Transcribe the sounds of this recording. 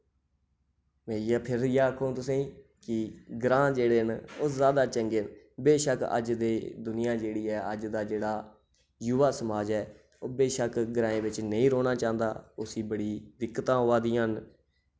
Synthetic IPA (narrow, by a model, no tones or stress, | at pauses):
mẽːijaːpʰɪɾjaːkʰõːt̪ʊsẽːkɪɡɾãːd͡ʒeːɽeːnoːzaːd̪aːt͡ʃəŋɡeːn | beːʃəkə̰d͡ʒd̪eːd̪ʊnɪjãːd͡ʒeːɽiːɛːəd͡ʒd̪aːd͡ʒeːɽaː | jʊʋaːsəmaːd͡ʒɛː | oːbeːʃəkɡɾãːẽːʋɪt͡ʃnəĩːɾoːnaːt͡ʃaːnd̪a̰ːʊsiːbəɽiːd̪ɪkːət̪ãːɦoːaːd̪iːan